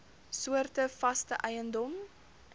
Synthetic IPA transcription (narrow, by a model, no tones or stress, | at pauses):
suərtəfɐstəʔɛjəndɔm